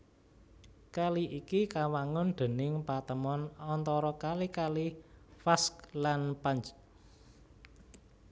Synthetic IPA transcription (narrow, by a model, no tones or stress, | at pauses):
kaliʔikikawaŋʊnd̪̥e̤nɪŋpat̪əmɔnɔnt̪ɔɾɔkalikalifasklanpaɲt͡ʃ